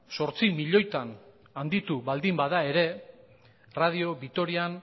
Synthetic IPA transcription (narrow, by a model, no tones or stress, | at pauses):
so̞ɾt͡simiʎo̞jt̪an | and̪it̪uβald̪imbaðae̞ɾe̞ | rað̞io̞βit̪o̞ɾian